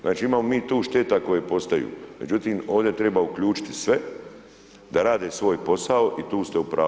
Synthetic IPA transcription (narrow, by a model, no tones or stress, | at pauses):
znaːt͡ʃiimaːmomiːt̪uːʃt̪e̞t̪ako̞jepo̞st̪ajṵːme̞d͡ʒut̪iːmo̞ːʋd̪je̞t̪ɾe̞baukʎuːt͡ʃi̥t̪ɪsʋe | d̪aɾaːd̪eːsʋo̞ːjpo̞saoʔit̪uːst̪eupɾaː